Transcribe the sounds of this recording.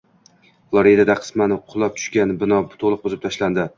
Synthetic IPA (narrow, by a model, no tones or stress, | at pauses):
flˠoɾid̪ad̪aqʰɨ̥smanɪqʰʊlˠɒp̚t̪ʰʊ̥ʃkʲanbɪnɒbt̪ʰolˠɨq̚bozɪp̚t̪ʰaʃland̪ɪ